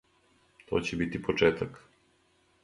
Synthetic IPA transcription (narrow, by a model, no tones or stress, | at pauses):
t̪ɔ̰cɛbit̪ipɔt͡ʃɛt̪ak